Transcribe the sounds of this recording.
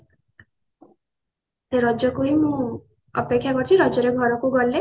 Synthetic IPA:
seɾɔd͡ʒɔkuimũ | ɔpekʰːjakɔɾt͡ʃʰiɾɔd͡ʒɔɾeɡʱɔɾɔkuɡɔlːe

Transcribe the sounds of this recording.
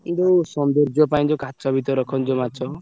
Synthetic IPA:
kind̪osɔnd̪ɔɾd͡ʒjɔpaĩd͡ʒokat͡ʃɔbʱit̪ɔɾɔkʰɔnd͡ʒɔmat͡ʃʰɔ

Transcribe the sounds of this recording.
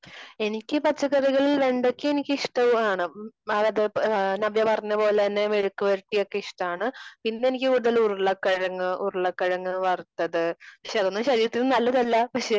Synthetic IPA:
e̞nikʲːɨpɐt͡ɕːɐɣɐɾiɣɐɭilʋe̞ɳɖokʲːɨenikʲːɨiʂʈɐʋaːɳɨɐðɐðɨnɐʋjɐpɐrɐɲːɐpo̞ːlet̪ɐnːe̞ʋeɻukːɨʋɐɾuʈːijo̞kːe̞iʂʈɐmaːɳɨpinːeenikʲːɨuɾuðɐluruɭːɐkːɐɻɐŋːɨʔuruɭːɐkːɐɻɐŋːɨʋɐrt̪ːɐðɨpɐkʂe̞ɐðonːɨɕɐɾiːɾɐt̪ːinɨnɐlːɐðɐlːɐpɐkʂe̞

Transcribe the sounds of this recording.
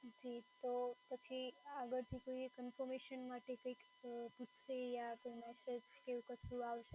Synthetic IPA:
d͡ʒit̪op̪ət͡ʃʰiaɡəɾt̪ʰikoikənfɔɾmeʃənmaʈekəik | put̪ʰːejakəmɛsəd͡ʒkeʋukəsʰuaʋʃe

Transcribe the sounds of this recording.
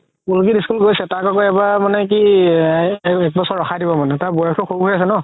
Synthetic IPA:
kulk̬idiskulɡojsɛtaɹkɔkɔɛbamanɛk̬i | ɛk̚bɔsɔɹɹɔxʰadibɔmanɛtaɹbɔjɔkʰtʰʊxʰobuɦojas̬ɛnɔ

